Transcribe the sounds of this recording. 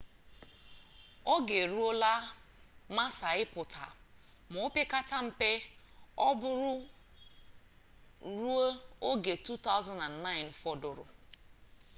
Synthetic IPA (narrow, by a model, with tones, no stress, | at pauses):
o˦ɡe˨ɾu˦o˦la˦ | ma˦sa˨ɪ˦pʊ˨tʰa̰˨ | mʊ˨ʊ˦pe˦ka˦ta˦m̩˨pe˦ | ɔ˦bʊ˦ɾʊ˦ | ɾu˦o˦o˦ɡe˨tu˦t̪a˦ʊ˦za˦na˨n˨na˦ɪ˨nfɔ˦dʊ˨ɾʊ̰˨